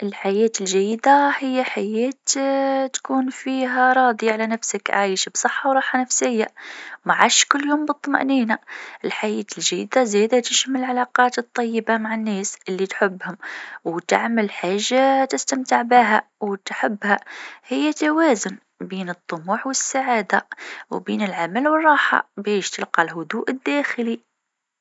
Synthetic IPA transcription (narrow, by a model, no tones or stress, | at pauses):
ʔɪlħajeːt̪ɪlʒæjːd̪ahɪjːaħajeːt̪t̪kuːnfiːɦaɾˤɑːd̪ˤiʕalænafsəkʕa̰ːjʃbsˤɨħːɑwɾˤɑːħhanafsɪjːamaʕaʃkʊlːjoːmbɨt̪ˤːmɑ̰ʔniːnaʔɪlħajeːt̪ɪlʒæ̰jːd̪azed̪at̪ɪʃmɪllʕalɑqɑːt̪ɨt̪ˤːɑjːɪbamaʕanːeːsɪlːit̪ħʊbːhʊmwt̪a̰ʕməlħaːʒːat̪ɪst̪amt̪ɪʕbiɦæwt̪ħəbːhæhɪjːæt̪awæːzʊn | biːnɨt̪ˤːʊmuːħwəsːaʕaːd̪awbiːnɪlʕamælwərˤːɑːħɑ̰bɛːʃt̪əlqɑlɦʊd̪uːʔɪd̪ːæːxli